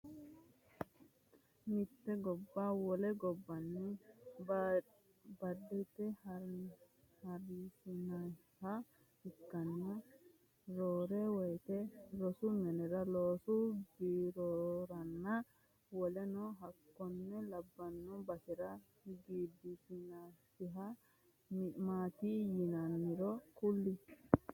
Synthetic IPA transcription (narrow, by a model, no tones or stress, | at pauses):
mit̪ːɛɡɔbːawɔlɛɡɔbːɐnːɛ | bɐdːɛt̪ːɛh | hɐɾisinaj | ha | ikːɐnːɐ | ɾoːɾewɔjt̪ɛɾɔsʊnɛnɛɾɐloːsʊɡiɾoɾɐnːɐ | wɔlɛnɔɦɐkːɔnːɛlɐbːɐnːɔbɐsɛɾɐ | ɡiːd̪ːisɪnasɪɦɐ | mɪmaːt̪ijɪnɐnːɪɾɔkʊlːɪ